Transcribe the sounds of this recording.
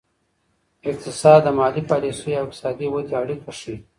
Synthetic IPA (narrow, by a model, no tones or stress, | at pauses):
ɪk̚t̪ɪsɑːd̪ːəmɑːlipaːlisujawɪk̚t̪sɑːd̪iwod̪iaɽik̪ɐʂi